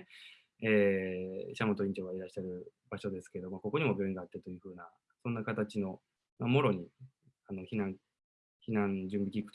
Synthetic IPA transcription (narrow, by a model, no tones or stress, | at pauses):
eːɕamo̞t̪oĩɲt͡ɕo̞ɡaiɾaɕiːaɾɯ̟b̥aɕo̞d̪e̞sɨ̥keed̪o̞mako̞ko̞ɲ̟imo̞bʲjo̞ːĩŋɡaːt̪ːet̪o̞jɯ̟ɸɯ̟ːna | sõ̞nːakat̪at͡ɕino̞ | mamo̞ɾo̞ɲ̟i | ano̞çinãŋ | çinãɲd͡ʑɨ̃mbʲikʲikɯ̟t̪